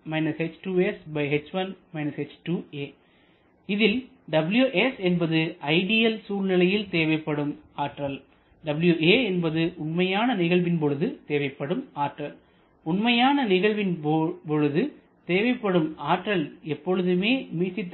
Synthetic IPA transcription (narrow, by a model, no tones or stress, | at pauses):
mɐɪnɐset͡ʃʈuːɛsbɐɪɦɛt͡ʃʋɐnmɐɪnɐset͡ʃʈuːeː | ɪðɪl | ɖɐbɪljuʔɛsɛnbɐðɯʔɐɪɽɪjɐlsuːlnɪlɐjɪlt̪eːʋɐɪpːɐɽɯmaːʈrɐl | ɖɐbɪljueːɛnbɐðɯʔʊnmɐjaːnɐnɪɣɐɭʋɪnpɔɻɯðɯt̪eːʋɐɪpːɐɽɯmaːʈrɐl | ʊnmɐjaːnɐnɪɣɐɭʋɪnpɔɻɯðɯ | t̪eːʋɐɪpːɐɽɯmaːʈrɐlɛpːɔɻɯðɯmeːmiːt͡ʃːɪt̪ː